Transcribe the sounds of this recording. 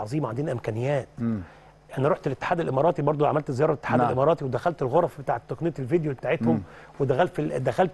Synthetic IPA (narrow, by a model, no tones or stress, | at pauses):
ʕɑzˤiːmʕand̪ːnæʔemkænejːæːt̪ | ʔænæɾoħt̪elʔet̪ːe̥ħaːd̪ælʔemɑɾɑːt̪ˤibɑɾˤd̪ˤoʕamælt̪zejɑːɾˤɑet̪ːħaːdæʔemɑːɾˤɑːt̪iwed̪æxælt̪elɣoɾˤɑfbet̪aːʕet̪ːoknejæt̪elvid̪jobet̪aːʕet̪hom | wed̪æxælfd̪æxælt̪